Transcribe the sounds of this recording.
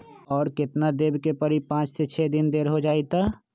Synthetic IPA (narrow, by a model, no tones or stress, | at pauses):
ɔːɾkɪt̪nad̪eːbkepəɾipãːt͡ʃset͡ʃʰɛd̪ɪnd̪eːɾɦod͡ʒaːit̪a